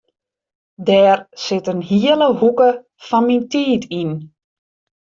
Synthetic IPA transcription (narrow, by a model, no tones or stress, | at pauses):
dɛːrsɪtənɦiələhukə | fɔnmintiːtʰin